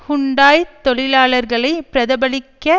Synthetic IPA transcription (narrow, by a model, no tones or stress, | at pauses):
hʊɳɖaːjt̪ːɔɭɪlaːɭɐɾɣɐɭɐɪpɪɾɐðɐbɐɭɪkːɐ